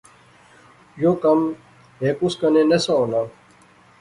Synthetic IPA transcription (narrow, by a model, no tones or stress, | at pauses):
joːkəm | ɦeːkuskənẽːnesaoːnãː